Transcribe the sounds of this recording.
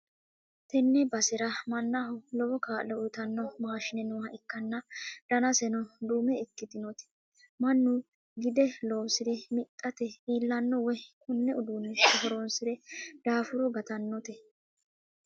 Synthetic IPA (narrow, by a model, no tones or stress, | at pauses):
t̪ɛnːɛbɐsɪɾɐmɐnːahʊlɔwɔkaːʔlɔʊt̪ɐnːɔmaːʃɪnɛnʊwɐʔɪkːɐnːɐd̪̥ɐnɐsɛnɔd̪uːmɛɪkːɪd̪ɪnɔt̪ɛ̥ | mɐnːʊ | ɡɪd̪ɛlɔwsɪd̪ɛmɪt̪ʼːɐt̪ɛiːlːɐnːɔwɛkʊnːɛʊd̪uːnːɪʃɔɦɔɾonsɪd̪ɛd̪̥aːfʊɾɔɡɐt̪ɐnːɔt̪ɛ